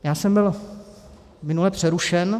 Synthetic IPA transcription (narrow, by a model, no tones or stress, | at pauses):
jaːsɛmbɪl | mɪnulɛpr̝̥ɛɾuʃɛn